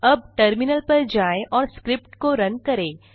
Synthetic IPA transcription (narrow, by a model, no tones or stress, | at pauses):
əb̚ʈəɾminəlpəɾd͡ʒaẽʔɔːɾskɾɪpʈkoɾənkəɾẽ